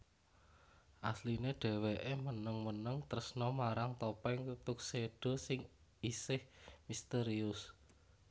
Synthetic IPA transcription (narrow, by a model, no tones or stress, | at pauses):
ʔaslineɖ̥ɛ̤weʔemənəŋmənəŋt̪ərəsnɔmaɾaŋt̪opɛŋt̪ut̪ʊk̚seɖ̥ɔ̤sɪŋ | isɪhmist̪eɾiʊs